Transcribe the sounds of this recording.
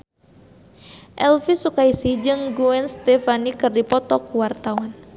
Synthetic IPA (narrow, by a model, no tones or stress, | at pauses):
ʔɛlfisukaisid͡ʒɨŋɡuɛnst̪ɛfanikɨrdipɔt̪ɔkuwart̪awan